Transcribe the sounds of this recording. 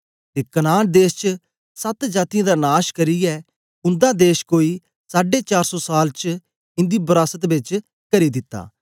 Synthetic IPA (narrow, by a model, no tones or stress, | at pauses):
t̪eːkɐnaːnd̪eːst͡ʃ | sɐt̪d͡ʒaːt̪ɪjãd̪anaːʃkɐɾijɛ | ʊ̃nd̪ãd̪eːʃkoːi | saːɖet͡ʃaːɾsɔsaːlt͡ʃ | ɪ̃nd̪ibɐɾaːsət̪bɪt͡ʃ | kɐɾid̪ɪt̪ːa̰ː